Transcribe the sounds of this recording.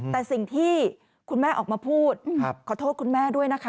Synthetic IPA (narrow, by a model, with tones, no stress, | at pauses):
t̪ɛː˨˩si˨˩ŋt̪ʰiː˥˩ | kʰu˧nmɛː˥˩ʔɔ̰ː˨˩k̚maː˧pʰuː˥˩t̪̚kʰɔː˨˩t̪ʰoː˥˩t̚kʰu˧nmɛː˥˩du˥˩əjna˦˥kʰa˦˥